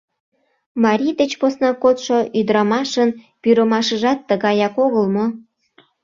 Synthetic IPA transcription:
mɑɾʲid̪et͡ɕposnɑkot̪ʃoʔyd̪ɾɑmɑʃən | pyɾəmɑʃəʒɑt̪ːəɣɑjɑkoɣəlmo

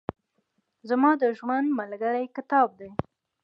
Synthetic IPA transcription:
zamɑd̪əʒwand̪malɡəɽajkɪt̪ɑb̚d̪e

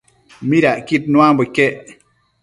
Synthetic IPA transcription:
miɾaʔkit̚nwambəkeʔ

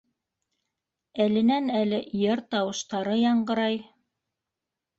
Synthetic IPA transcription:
ælɘ̆nænælɘjɤɾt̪ɑwɤ̆ʃt̪ɑɾɤjɑɴɢɤ̆ɾɑj

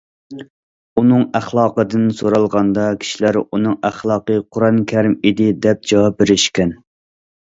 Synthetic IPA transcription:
unɨŋæχlˠɑːqəd̪ɨnsoɾɑlˠʁɑnd̪ɑkʲʰi̥ʃilæɾunɨŋæχlˠɑːqəqʰʊɾɑnkʲʰɛɾɪmid̪ɪd̪ɛp̚d͡ʒɑwɑp̚beɾɪʃkʲɛn

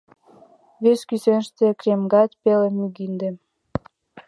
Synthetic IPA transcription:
βeskysenʃt̪ekɾemɡɑt̪ʲpelemyɡind̪em

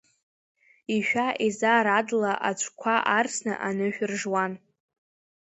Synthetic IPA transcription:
iʃᶣaʔizaːɾadlaʔat͡ʃʷʰkʷʰaʔarsnɨ̰ʔanɨħᶣrʐwan

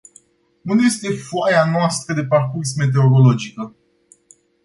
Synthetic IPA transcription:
nunje̞st̪e̞foajanoast̪ɾəd̪e̞parkursme̞t̪̬e̞oɾo̞lo̞d͡ʒikə

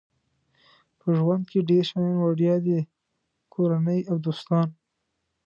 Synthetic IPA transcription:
pəʒwand̪̚keɖeɾʃɑjɑnwaɽjɑd̪e | kʰoɾanəjawd̪ost̪ɑn

